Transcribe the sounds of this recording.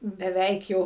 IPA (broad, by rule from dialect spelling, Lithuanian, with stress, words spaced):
bʲɛˈʋʲɛɪk jɛʊ